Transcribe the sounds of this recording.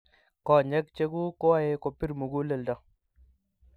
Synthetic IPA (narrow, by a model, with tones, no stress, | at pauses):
kɔ˨ɲɛ˦k̚t͡ʃe˦ɡu˦ko˦wa˦˨je˦ko˨pi˦ɾmu˨ɡu˦le˨ldɔ˨